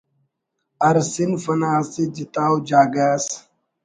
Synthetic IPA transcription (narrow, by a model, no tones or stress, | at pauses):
ɐɾsinfɐnaːsid͡ʒit̪aːwd͡ʒaːɡaːs